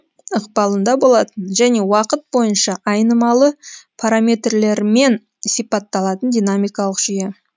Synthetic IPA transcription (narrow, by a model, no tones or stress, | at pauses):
əqbɑlˠənd̪ɑbo̞lˠɑt̪ənʒæne̞wɑqət̪̚bo̞jənʃɑʔɑjnəmɑlˠəpʰaɾamʲe̞t̪rle̞ɾme̞n | sijpɑt̪ːɑlˠɑt̪ənd̪ijnamijkɑlˠəqʒ̥ije̞